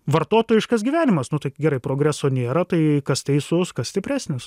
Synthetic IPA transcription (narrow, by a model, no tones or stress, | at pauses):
ʋɐrt̪oːt̪oːjɪʃkɐsɡʲiʋʲæːnʲɪmɐsnʊt̪ɐɪɡʲɛɾɐɪpɾoːɡɾʲæsoːnʲeːɾɐt̪ɐɪkɐst̪ʲɛɪsʊskɐssʲt̪ʲɪpʲɾʲæːsʲnʲɪs